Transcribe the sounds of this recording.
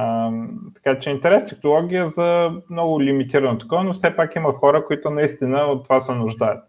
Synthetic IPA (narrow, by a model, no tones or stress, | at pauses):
t̪ɐ̥kat͡ʃɛint̪ɛɾɛst̪ʲɛknolˠɔɡʲijəzɐmnɔɡʊlʲimit̪iɾənot̪ɐ̥kɔvənofsɛpakiməxɔɾəkoit̪ʊnɐist̪inəot̪ːovasɛnʊʒd̪ajət̪